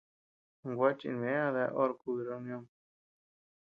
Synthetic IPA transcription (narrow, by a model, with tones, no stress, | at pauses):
ŋɡʷa˦t͡ʃḭ˧˨n˨ẽ˦ã˦ða˧˦ʔo˦ɾku˧βi˧ɾe˧u˧˦nj̃õ˦ŋ